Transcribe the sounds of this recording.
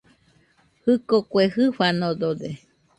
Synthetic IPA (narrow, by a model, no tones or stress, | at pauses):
hɨkokwehɨɸanod̪od̪e